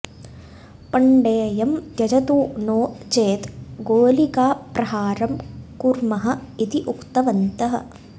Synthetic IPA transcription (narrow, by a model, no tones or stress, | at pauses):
pɐɳɖeːjɐmj̪jɐd͡ʒɐt̪uːnoːt͡ʃeːt̪ɡoːlikaːpɾɐɦaːɾɐmkuɾmɐɦɐ̆it̪iʔukt̪ɐʋɐnt̪ɐɦɐ̰̆